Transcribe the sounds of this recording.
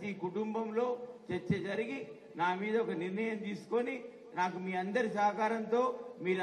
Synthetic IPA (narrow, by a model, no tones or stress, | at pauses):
iːkuʈumbɐmlo̞ːt͡ʃet͡ʃːed͡ʒɐɾiɡi | naːmiːd̪ɐɔkɐniɾnɐjɐmt̪iːsu̥ko̞ni | naːkumiːɐnd̪ɐɾisaːɐkaːɾɐnt̪o̞ːmiːɾ